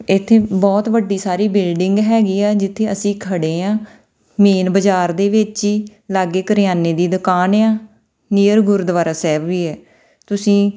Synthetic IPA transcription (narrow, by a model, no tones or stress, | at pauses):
ɪt̪ʰːeːbɔːt̪ʋəɖːiːsaːɾiːbɪlɖɪŋɡɦɛːɡiːaːd͡ʒɪt̪ʰːeːəsĩːkʰəɽeːãː | meːnbəd͡ʒaːɾd̪eːʋɪt͡ʃiːlaːɡeːkəɾɪjaːneːd̪iːd̪ʊkaːneãː | niːəɾɡʊɾd̪əʋaːɾaːsɛːbʋiːɛː | t̪ʊsĩː